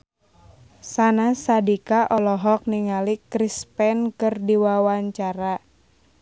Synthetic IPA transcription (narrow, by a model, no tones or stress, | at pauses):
sanasadikaʔɔlɔɦɔk̚niŋalikɾispɛnkɨrdiwawaɲt͡ʃaɾa